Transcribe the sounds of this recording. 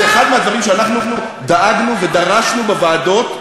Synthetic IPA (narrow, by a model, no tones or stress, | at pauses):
eχad̪mead̪vaʁimʃeanaχnunu | d̪aaɡnuved̪aʁaʃnubevaːdo̞t